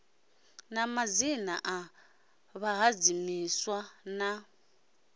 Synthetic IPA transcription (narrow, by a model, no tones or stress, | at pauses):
namazinaʔa | βaɦad͡zimiswana